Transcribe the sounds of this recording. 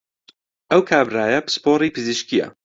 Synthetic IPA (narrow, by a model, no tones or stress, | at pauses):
ʔɐwkʰaːbraːjɐbspoːɾiːpʰɨziʃkijɐ̰